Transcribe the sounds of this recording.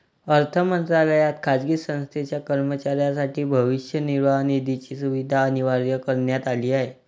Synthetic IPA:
əɾt̪ʰəmənt̪ɾaləjat̪̚kʰad͡zɡiːsə̃w̃st̪ʰet͡ɕjakəɾmət͡ɕaɾjas̬aʈiːbʱəʋiɕjəniɾʋanid̪it͡ɕiːsuʋid̪ʱaəniʋaɾjəkəɾɳjat̪aliːaɦe

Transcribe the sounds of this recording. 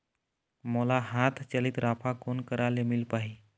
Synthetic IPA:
məlaɦat̪ʰt͡ɕəliːt̪ɾapʰakonkəɾalemilpaɦi

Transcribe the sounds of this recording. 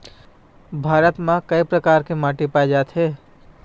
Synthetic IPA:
bʱaːɾət̪mãkɐipɾəkaːɾkemaːʈipaːed͡ʒaːt̪ɦɛː

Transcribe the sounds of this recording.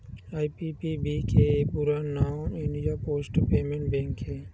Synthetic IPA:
aːipipibikʰepuɾanaːmɪ̃ɳɖijapoːsʈpeːmẽɳʈbẽŋkɦeː

